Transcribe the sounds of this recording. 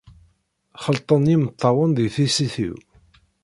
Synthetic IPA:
χəlt̪ˤənjimət̪ˤːɑwənðiθisiθḭw

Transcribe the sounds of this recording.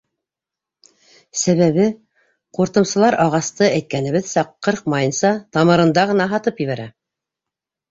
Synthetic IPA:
sæβæβɘ | quɾt̪ɤ̆msɤ̆lˠɑɾʔɑʁɑst̪ɤæjt̪̚kænɘ̆βɘðsɑqːɤɾq̚mɑjɤnsɑt̪ɑmɤ̆ɾɤ̆nd̪ɑʁɤ̆nɑɦɑt̪ɤpjɘ̆βæɾæ

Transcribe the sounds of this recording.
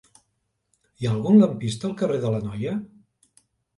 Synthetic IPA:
iaəlˠɣunləmpist̪əːlˠkəreðələnɔjə

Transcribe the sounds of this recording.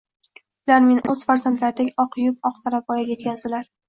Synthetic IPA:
ʊlaɾmenʔɵz̥faɾzant̪laɾd̪akʲɒqʰjʊp̚ɒqt̪ʰaɾap̚bɒjaɡʲjet̪kʲazd̪ɪlaɾ

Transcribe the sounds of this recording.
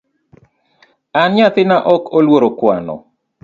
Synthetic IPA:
anɲat̪ɪnaʔɔkolwoɾokwa̰nɔ̰

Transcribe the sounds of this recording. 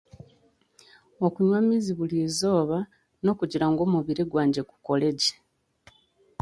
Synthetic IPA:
okuɲwamiziβulizo̞ːβa | no̞ːkuɟiɾaŋɡo̞ːmuβiɾeɡwaːɲɟeku̥ko̞le̞ɟe̥

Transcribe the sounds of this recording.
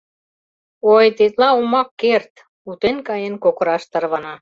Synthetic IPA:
ojt̪et̪lɑumɑkːert̪ | ut̪enkɑjenkokə̆ɾɑʃt̪ərβɑnɑ

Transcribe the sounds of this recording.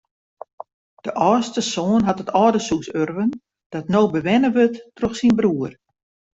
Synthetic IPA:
d̥əʔɔːstəsoːnɦatətɔːdəsuksørʋən | d̥ɔtnoːbəʋɛnəʋøtːroxsinbruər

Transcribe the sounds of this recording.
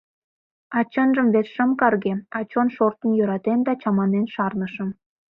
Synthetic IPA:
ɑt͡ɕənʒəmβet̪ʃəmkɑrɣeɑt͡ɕonʃort̪ənjøɾɑt̪end̪ɑt͡ɕɑmɑnenʃɑrnəʃəm

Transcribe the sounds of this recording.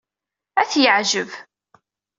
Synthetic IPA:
æθjəʕʒəv

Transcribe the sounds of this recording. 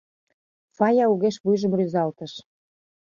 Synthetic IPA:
fɑjɑuɣeʃβujʒə̆mryzɑlt̪əʃ

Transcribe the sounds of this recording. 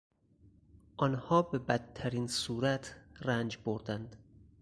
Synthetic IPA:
ʔɒːnhɒːbebæt̪t̪ʰːæɾiːnsuːɾæt̪ʰrænd͡ʒboɾd̪ænd̪

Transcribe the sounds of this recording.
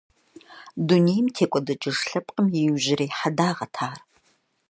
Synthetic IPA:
dunejmtʰeːkʷʼɔdɐt͡ʃʼɪʂɬɐpʼqʼəmjɪjʑɪreːħadaːʁɐtʰaːr

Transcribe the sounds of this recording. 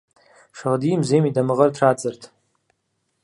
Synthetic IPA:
ʂaʁdimzemidamɨʁərtʰrad͡zɨrtʰʼ

